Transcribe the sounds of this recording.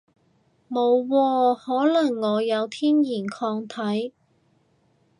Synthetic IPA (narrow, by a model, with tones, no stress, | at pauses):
mo˨˧wːɔː˧hɔː˨˥lɐ˨˩ŋːɔː˨˧jɐ˨˧wt̪ʰiː˥njiː˨˩nkʰɔː˧ŋt̪ʰɐ˨˥j